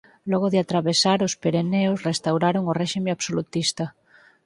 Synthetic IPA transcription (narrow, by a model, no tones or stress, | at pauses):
lɔɣ̞oðɪat̪ɾaβesaɾospeɾeneosrest̪awɾaɾoŋoreʃimeaβsolut̪ist̪a